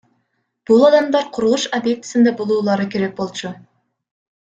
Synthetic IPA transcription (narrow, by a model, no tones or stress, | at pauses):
b̥ʊlˠɑd̪ɑmd̪ɑɾqʰʊɾulˠuʃabʲjek̚t̪ɪ̥sɪnd̪ebolˠuːlˠɑɾəkʲʰe̞ɾe̞k̚bo̞lˠt͡ʃʊ